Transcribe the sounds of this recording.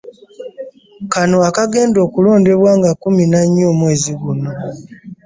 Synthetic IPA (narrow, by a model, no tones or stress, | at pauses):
kano̞akaɡe̞ːndo̞ːkulo̞ːnde̞βwaːŋɡakuminaɲːoːmwe̞ːziɡuno̞